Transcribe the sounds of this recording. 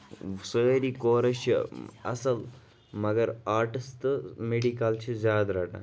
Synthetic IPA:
səːɾikoːɾɐʃɐ̰ɐ̰sɐl | mɐɡɐɾaːɾʈist̪ɨmeɽikaːlt͡ʃʰizaːd̪ɾaːʈa̰

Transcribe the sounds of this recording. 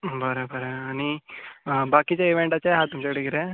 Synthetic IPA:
bʱəɾebʱəɾeañi | bakit͡ɕjaiʋeɳʈat͡ɕaɦat̪umt͡ɕaɽiɡiɾe

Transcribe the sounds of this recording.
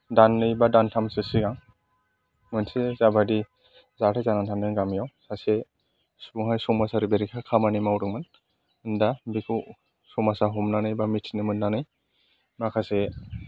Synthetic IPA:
danːɯjbadantʰamsɯsiɡaŋ | mɯnsezabadi | zatʰazanantʰandɯnɡamijawsase | sbuŋɦajsumasaɾibeɾikʰakʰamanijmawɾɯŋmɯn | ɯndabikʰu | sumasaɦumnanɯjbamitʰnɯmɯnnanɯj | makʰase

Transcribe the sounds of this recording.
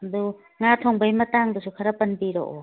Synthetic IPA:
ɐdu | ŋatʰoŋbajmɐtaŋdɯsukʰɐɾɐpɐnbiɾo̰ʔo

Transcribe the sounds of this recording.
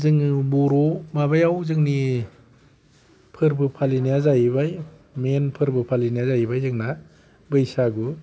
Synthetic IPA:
zɯŋɯbuɾɔmabajawzɯŋni | pʰɯɾbɯpʰalinijazajbaj | menpʰɯɾbɯpʰalinijazajbajzɯŋna | bɯjsaɡɯ

